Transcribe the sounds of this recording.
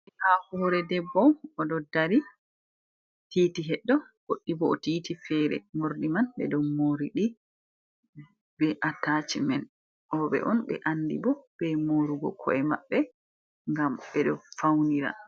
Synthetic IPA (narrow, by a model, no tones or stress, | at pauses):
ɛhafɔɾɛdɛbːɔɔdɔdaɾi | titiɦɛɗːɔɡ̥oɗːibɔɔtiːtifɛːɾɛ̰moɾdimanbɛ̰ɗɔmoɾiɗi | bɛʔataːt͡ʃimɛn | ʔɔɓɛ̰ʔɔnɓɛ̰ʔandibɔb̥ɛmoɾuɡɔ̰kʰɔ̰ɛma̰ɓːɛ | ŋɡamɓɛɗɔfawniɾa̰